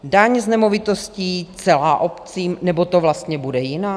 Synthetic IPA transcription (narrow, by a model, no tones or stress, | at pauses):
daɲznɛmovɪt̪o̞sciːt͡sɛlaːʔopt͡siːmnɛbo̞t̪ovlast̪ɲɛbudɛjɪnaː